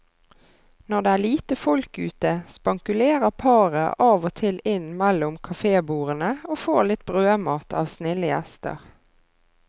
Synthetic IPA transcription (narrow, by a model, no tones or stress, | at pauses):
nɔʁd̪eːæːliːt̪əfɔlkʉ̰ːt̪əspɑŋkʉleːʁəʁpʰɑːʁə̰ʔɑːʋoːt̪ʰɪlɪnmɛlʊmkʰɑfeːbuːʁənəoːfoːʁlɪt̪̚bʁøːmɑːt̪ʰɑːʋsnɪləjɛ̰st̪ə̰ʁ